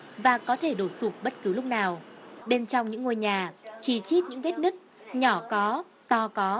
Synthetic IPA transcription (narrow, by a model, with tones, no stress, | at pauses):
vaː˨˩kɔ˨˦t̪ʰe˧˩ɗo˧˩su˨˩k̚ɓə˦˥t̚kɨ˨˦wlʊ˦˥k͡p̚naː˨˩wɗe˧nt͡ɕɔ˧wŋ͡mɲɨ̰˧˥ŋːo˧jɲaː˨˩t͡ɕi˧˩t͡ɕi˦˥t̚ɲɨ̰˧˥ŋvɛ˦˥t̚nɨ˦˥k̚ɲɔ˧˩kɔ˨˦ | t̪ɔ˧kɔ˨˦